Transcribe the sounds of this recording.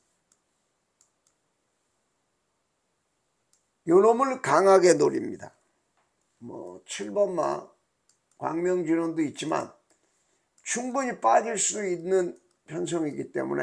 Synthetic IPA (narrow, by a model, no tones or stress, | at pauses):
jʌnomɯɭkaŋɦaɡe̞noɾimɲida | mwʌ̰t͡ɕʰiɭbʌmːa̰ | kwa̰ŋmjʌŋd͡ʑinʌndoit̚t͡ɕ͈ima̰n | t͡ɕʰuŋbuɲip͈ad͡ʑiɭs͈udoinːɯn | pʰjʌns̬ʰʌŋiɡit͈e̞̰mṵne